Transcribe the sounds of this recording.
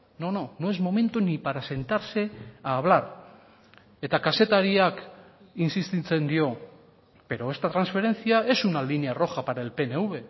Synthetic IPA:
no̞no̞no̞e̞zmo̞me̞nt̪unipaɾase̞nt̪aɾse̞aːβ̞laɾ | e̞t̪akase̞t̪aɾiak | insist̪it͡se̞nd̪io̞ | be̞ɾo̞e̞st̪at̪ɾansfe̞ɾe̞nt͡siae̞sunaliniaroxapaɾaelpe̞neuβe̞

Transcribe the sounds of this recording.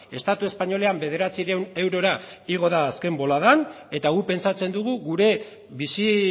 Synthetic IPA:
e̞st̪at̪ue̞spaɲo̞le̞ambe̞ðe̞ɾat͡siɾewne̞wɾo̞ɾaiɣ̞o̞ðaːske̞mbo̞laðan | e̞t̪aɣupe̞nsat͡se̞nd̪uɣ̞uɣuɾe̞ | βisi

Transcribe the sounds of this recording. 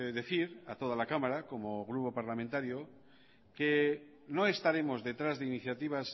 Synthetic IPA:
ðe̞θiɾat̪o̞ð̞alakamaɾako̞moɣ̞ɾupo̞paɾlamẽnt̪aɾjo | ke | no̞e̞st̪aɾe̞mo̞zðe̞t̪ɾazðeiniθjat̪iβ̞as

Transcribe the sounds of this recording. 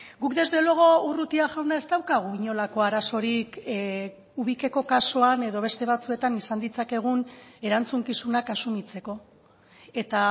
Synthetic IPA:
ɡukd̪e̞zðe̞loɣo̞urut̪iaʝawnae̞st̪awkaɣ̞uiɲo̞lako̞aɾaso̞ɾik | uβike̞ko̞kasoane̞ðo̞βe̞st̪e̞β̞at͡sue̞t̪anisand̪it͡sake̞ɣ̞une̞ɾant͡suŋkisunakasumit͡se̞ko̞ | e̞t̪a

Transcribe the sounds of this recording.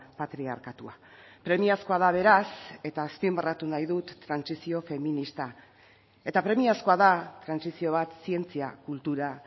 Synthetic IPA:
pat̪ɾia̰ɾkat̪ua | pɾe̞miasko̞aðaβ̞e̞ɾase̞t̪aːspimbarat̪unajðut̪ːɾansisio̞fe̞minist̪a | e̞t̪apɾe̞miasko̞aðat̪ɾansisio̞β̞at̪sie̞nt͡siakult̪uɾa

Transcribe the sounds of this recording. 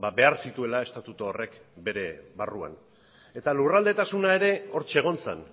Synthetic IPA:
babe̞aɾsit̪ue̞lae̞st̪at̪ut̪oːre̞kbe̞ɾe̞βarua̰n | e̞t̪alurald̪e̞t̪asunae̞ɾe̞o̞ɾt͡ʃeɣ̞o̞nt͡sḛn

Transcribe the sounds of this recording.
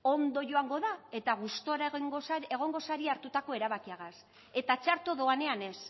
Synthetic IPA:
o̞nd̪o̞ʝo̞aŋɡo̞ðae̞t̪aɣ̞ust̪o̞ɾaɣŋɡosae̞ɣ̞o̞ŋɡo̞saɾiaɾt̪ut̪ako̞e̞ɾaβakiaɣas | e̞t̪at͡ʃaɾt̪oðo̞ane̞ane̞s

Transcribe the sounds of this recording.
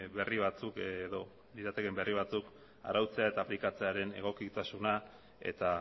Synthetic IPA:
βe̞riβ̞at͡sukðo̞ | d̪iɾat̪eke̞mbe̞riβ̞at͡suk | a̰ɾawt͡se̞ae̞t̪aːplikat͡se̞aɾe̞ne̞̰ɣ̞o̞kit̪asuna | e̞̰t̪a

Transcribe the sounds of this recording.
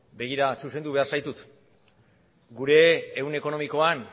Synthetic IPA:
be̞ɣ̞iɾasuse̞nd̪uβe̞aɾsajt̪ut̪ | ɡuɾe̞ːwne̞ko̞no̞miko̞an

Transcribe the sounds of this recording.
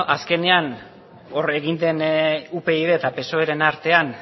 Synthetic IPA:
ʔaske̞ne̞an | ore̞ɣind̪e̞nupe̞iðe̞t̪ape̞so̞eɾe̞naɾt̪e̞an

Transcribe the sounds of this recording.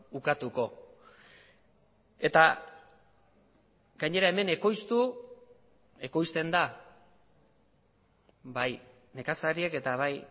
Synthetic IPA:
ukat̪uko̞ | e̞t̪a | ɡaɲe̞ɾae̞me̞ne̞ko̞jst̪u | e̞ko̞jst̪e̞nd̪a | baj | ne̞kasaɾieke̞t̪aβaj

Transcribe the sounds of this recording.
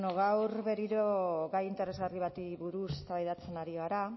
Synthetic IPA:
noɣawɾβe̞ɾiɾo̞ɣajint̪eɾe̞zɣariβ̞at̪iβuɾuset̪aβajðat͡se̞naɾiɣaɾa

